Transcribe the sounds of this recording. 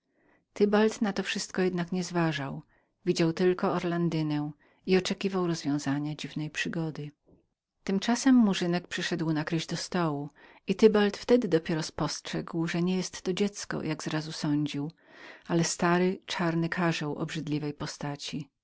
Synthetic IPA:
t̪ɘbalt̪nat̪ɔfʂɘst̪kɔjɛd̪nakɲɛzvaʐaw | vʲid͡ʑawt̪ɘlkɔɔɾland̪ɘnɛw | iɔt͡ʂɛkʲivawɾɔzvʲjɔ̃w̃zaɲad͡ʑivnɛjpʂɘɡɔd̪ɘ | t̪ɘmt͡ʂasɛmːuʐɘnɛk̚pʂɘʂɛd̪wnakɾɘʑd̪ɔst̪ɔwu | it̪ɘbalt̪ft̪ɛd̪ɘd̪ɔpʲjɛɾɔspɔstʂɛɡwʐɛɲɛjɛst̪ːɔd͡ʑɛt̪skɔ̰jaɡzɾazusɔɲd͡ʑiw | alɛst̪aɾɘt͡ʂaɾnɘkʰaʐɛwʔɔ̰bʐɘd̪lʲivɛjpɔst̪at͡ɕi

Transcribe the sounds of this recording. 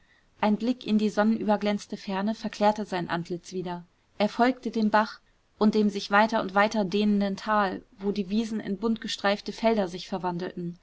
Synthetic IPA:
ʔaɪnblɪkɪndiːzɔnənʔyːbɐɡlɛnt͡stəfɛɐnəfɛɐkʰl̥ɛːɐtəzaɪnʔa̰ntʰlɪt͡sv̥iːdɐ | ʔeːɐfɔlk̚tədeːmbaχ | ʔʊnt̚d̥eːmzɪçv̥aɪtɐʊ̰ntv̥aɪtɐdeːnəndəntʰaːlvoːdiːviːzn̩ɪ̰nbʊntɡ̥əʃtʁ̥aɪftəfɛldɐzɪçfɛɐvandl̩tn̩

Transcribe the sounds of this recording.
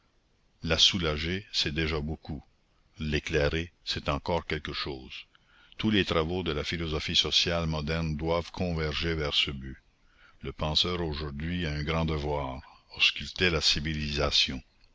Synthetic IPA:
lasulaʒesɛd̪eʒaboku | leklɛʁesɛt̪ɑ̃kɔːʁkɛlkəʃoːz̥ | t̪ulet̪ʁavod̪əlafilɔzɔfisɔsjalmɔd̪ɛʁnd̪wavkʰɔ̃vɛʁʒevɛʁsəby | ləpɑ̃sœːʁoʒuʁd̪ɥiaɛ̃ɡɾɑ̃d̪əvwaːʁɔskylt̪elasivilizasjɔ̃

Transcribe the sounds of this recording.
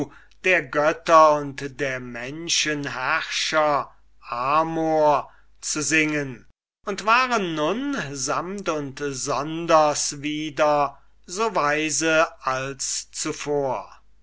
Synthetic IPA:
d̥eːɐɡœtɐʊntdeːɐmɛnʃənɦæʁʃɐ | ʔaːmoːɐ | t͡suzɪŋən | ʔʊntv̥aːʁənːʊnzamtʊntzɔndɐsviːdɐ | zoːvaɪzəalst͡sufoːɐ

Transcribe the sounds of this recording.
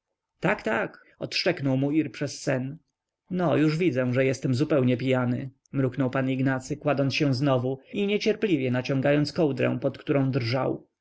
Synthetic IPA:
t̪akt̪ak | ɔ̰t̪ʂt͡ʂɛknɔwmuiɾpʂɛsːɛn | nɔjuʐvʲid̪zɛ̃ʐɛjɛst̪ɛmzupɛwɲɛpʲijanɘ̰ | mɾuknɔwpaniɡnat̪sɘkwad̪ɔnt̪ɕɛw̃znɔvuiɲɛt͡ɕɛɾplʲivʲjɛnat͡ɕɔ̃ŋɡajɔnt̪skɔwd̪ɾɛ̰̃w̃pɔt̪kt̪uɾɔ̃w̃d̪rʐa̰w

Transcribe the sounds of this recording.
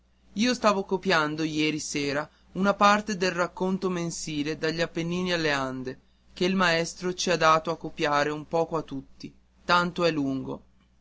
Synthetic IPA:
iːost̪aːvokopjand̪ojɛːɾiseːɾa | unapart̪ed̪elrakːont̪omensiːled̪aʎːapːenːiːnialːeand̪e | k̟eilmaɛst̪ɾot͡ʃiad̪ːaːt̪oakːopjaːɾeumpɔːkoat̪ːut̪ːi | t̪ant̪oɛlːuŋɡo̰

